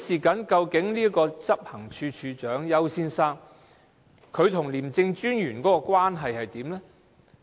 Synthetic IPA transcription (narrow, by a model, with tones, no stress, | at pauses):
siː˨kɐ˨˥nkɐ˧wkɪ˨˥ŋliː˥kɔː˧t͡sɐ˥p̚hɐ˨˩ŋt͡ʃʰyː˧t͡ʃʰyː˨˧t͡ʃœː˨˥ŋjɐ˨˧wsiː˧nsaː˧k̚ | kʰɵ˨˧ɥt̪ʰʊ˨˩ŋliː˨˩mt͡sɪ˧ŋt͡ʃyː˥njyː˨˩nkɔː˨˥kɔː˧kwaː˥nɦɐ˨jhɐ˨jt̪iː˨˥mlɛ˥